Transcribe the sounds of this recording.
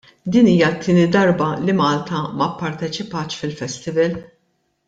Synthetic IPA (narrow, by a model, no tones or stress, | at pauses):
d̪iːniːjɐt̪ʰːɪːnid̪ɐɾbɐlimɐːlt̪ɐmɐpːɐɾt̪ɛt͡ʃɪpɐːt͡ʃfɪlfɛst̪ɪvɛl